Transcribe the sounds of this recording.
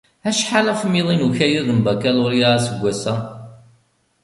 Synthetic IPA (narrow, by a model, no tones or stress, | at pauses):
æʃħaləfmiðˤinuçæjiðəmbækælʊɾjaʁasəɡʷːæsæ